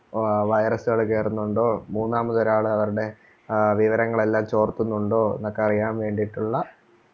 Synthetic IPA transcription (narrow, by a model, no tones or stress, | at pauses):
ʋɐjɐrɐsɨɣɐɭkeːrunːuɳɖo̞ːmuːnːaːmɐðoɾaːɭɨɐʋɐɾuɽe̞ | ʋiʋɐɾɐŋːɐɭe̞lːaːmt͡ɕo̞ːrt̪ːunːuɳɖo̞ːḛnɐkːɨɐrijaːmʋe̞ːɳɖijiʈːuɭːɐ